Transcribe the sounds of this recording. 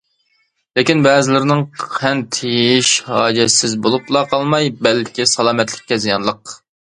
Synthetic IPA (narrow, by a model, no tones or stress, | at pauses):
lɪkʲinbɛːzɪlɪɾɪnɪŋʰɛnt̪ʰejiʃhɑːd͡ʒɛsɪzbolˠuplˠɑqʰɑlˠmɑjbɛlkʲisɑlˠɑːmɛt̪lɪ̥k̚ʲːɛzijɑnlˠəq